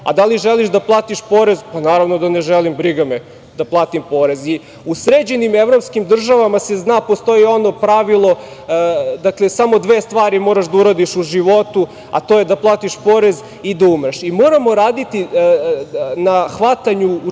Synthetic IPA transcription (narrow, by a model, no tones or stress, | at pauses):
a̰d̪aliʒeliʃd̪aplˠaːt̪iʃpo̞ɾe̞zpanaːɾaʋnod̪aneʒelimbɾiɡame | d̪aplˠaːt̪impo̞ɾe̞zi | usɾed͡ʑenimevɾo̞pskimd̪r̩ʒaʋamase̞znaːpo̞st̪o̞jio̞no̞pɾaʋilˠo̞ | d̪aklˠe̞samo̞d̪ʋeːst̪ʋaːɾimo̞ːɾaʃd̪auɾad̪iʃuʒiʋo̞t̪u | a̰t̪ojed̪aplˠaːt̪iʃpoɾe̞z | id̪aumɾaʃimo̞ːɾamo̞ɾaːd̪it̪i | naxʋat̪aɲu